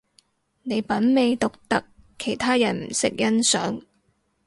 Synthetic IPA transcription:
ne˨˧jpɐ˨˥nme˨˧jt̪ʊ˨k̚t̪ɐ˨kʰː | e˨˩jt̪ʰaː˥jɐ˨˩nm̩˨˩sɪ̰˨k̚jɐ˥nsœ̰ː˨˥ŋ

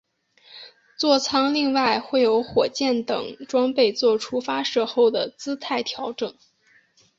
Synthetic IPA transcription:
t͡swɔ˥˩t͡sʰɑ˥ŋli˥˧ŋwa˥˧ɪxwe˥˩ɪjo˧˥ʊxwɔ˨˩t͡ɕjɛ˥˩nt̪ɤ̰˨˩˦ŋʈ͡ʂwɑ˥ŋpe˥˧ɪt͡swɔ˥˩ʈ͡ʂʰu˥fa˥ʂɤ˥˧xo˥˩ʊd̪ə˩t͡sɹ̩˥t̪ʰa˥˩ɪt̪ʰjɑ˧˥ʊʈ͡ʂɤ˨˩˦ŋ

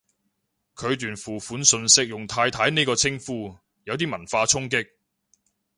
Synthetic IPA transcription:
kʰɵ˨˧ɥt̪yː˨˩nfuː˨˩fuː˨˥nsɵ˧nsɪ˥k̚jʊ˨ŋt̪ʰaː˧jt̪ʰaː˨˥jne˥jkɔː˧t͡sʰɪ˥ŋfuː˥ | jɐ˨˧wt̪̬iː˥mɐ˨˩nfaː˧t͡sʰʊ˥ŋk̬ɪ˥k̚

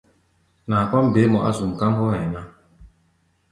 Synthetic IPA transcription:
na˨pa˦m˦be˨˦mɔ˨ʔa̰˦zu˨m̩˨ka˦ŋ˦ɡɔ˦hɛ˨na˦

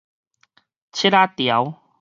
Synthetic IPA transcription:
t͡ɕʰi˦˥ɾa˦˥t̪ja˨˦w

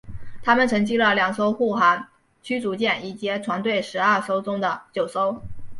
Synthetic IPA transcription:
t̪ʰa˥mə˨nʈ͡ʂʰɤ˧˥ŋt͡ɕi˥lə˨ljɑ˨˩ŋso˥ʊxu˥˩xa˧˥n | t͡ɕʰy˥t͡su˧˥t͡ɕjɛ˥˩ni˥˩t͡ɕjɛ˥t͡sʰwa˧˥nt̪we˥˩ɪʂɻ̩˧˥ə˥˩so˥ʊt͡sʊ˥ŋd̪ə˨t͡ɕjo˨˩ʊso˥ʊ

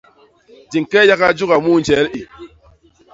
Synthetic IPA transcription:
d͡ʒi˨ŋ˨kɛ˦ja˦ka˦d͡ʒu˦ka˨mu˦˨n˨t͡ʃɛ˨˦li˨

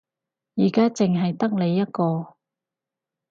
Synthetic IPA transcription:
jiː˨˩kaː˥t͡sɪ˨ŋɦɐ˨jt̪ɐ˥k̚le˨˧jːɐ˥t̚kɔː˧

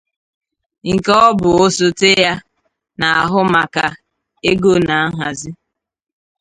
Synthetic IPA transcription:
ŋ̩˨kɔ˦bʊ˨o˦so˦te˦ja˦ | na˨a˨ɦʊ˦ma˨ka˨ | e˦ɡo˦na˨a˦ɦa˨zɪ˦

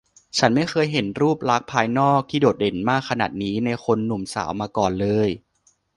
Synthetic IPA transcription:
t͡ɕʰa˦˥nma˥˩jxʰɤː˧jɦe˨˩˦nɾuː˥˩p̚ɾa˦˥k̚pʰaː˧jnɔː˥˩k̚t̪ʰiː˥˩doː˨˩t̪̚de˩˦nmaː˥˩kʰːa˧naː˨˩t̪̚niː˦˥na˧jxʰo˧nːu˨˩˦msa̰ː˩˦wmaː˧kɔː˨˩nlɤː˧j

